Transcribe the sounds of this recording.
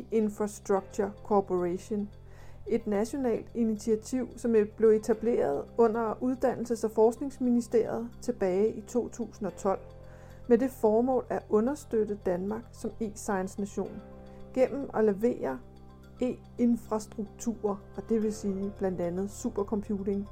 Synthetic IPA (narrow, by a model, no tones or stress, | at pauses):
e̝nfʁɑsd̥ʁɑɡ̥̚t͡sʰukʰopʰo̝ʁæɕo̝n | e̝d̥næɕo̝nɛ̰ːld̥init͡sʰiæt͡sʰiʊ̰sɒ̽mb̥le̝ʊe̝t͡sʰæb̥le̝̰ːɐð̞̩ˠɔ̽n̰ɐuð̞ˠd̥æn̰l̩səsæfɒːsɡ̥ne̝ŋsminisd̥e̝ɐ̰jð̞̩ˠt͡sʰe̝b̥ɛːɪʔit͡sʰo̝̰ːt͡sʰṵːsn̩ɒ̽t͡sʰɒ̽l̰ | med̥e̝fɒːmɔ̰̽ːlæʔɔ̽nɐsd̥ød̥əd̥ænmɑ̈ɡ̥sɒ̽me̝̰ːsɑ̈ɪnsnæɕo̝̰ːn | ɡ̥en̰m̩ɒ̽le̝ʋe̝̰ːɐ | e̝̰ː | e̝nfʁɑ̈sd̥ʁuɡ̥̚t͡sʰṵɐ | ɒ̽d̥e̝ʋe̝siːb̥læn̰d̥ænð̞̩ˠsub̥ɐkʰɒ̽mpʰjuːd̥e̝ŋ